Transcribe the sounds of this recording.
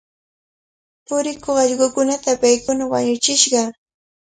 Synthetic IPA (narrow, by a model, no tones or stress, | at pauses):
pʊɾɪkoχɑʎɢʊkʊnat̪apajkʊnawa̰ɲʊt͡ʃɪʃɢɑ